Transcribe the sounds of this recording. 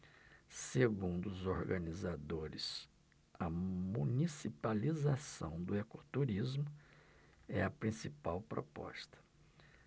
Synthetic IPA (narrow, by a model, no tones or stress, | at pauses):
seɡũnd̪ʊʊzoɾɡɐnizad̪oɾɪs | ɐmũnisipalizasɐ̰̃w̃d̪ʊekot̪uɾizmʊ | ɛɐpɾĩsipawpɾo̰pɔ̰st̪ɐ̥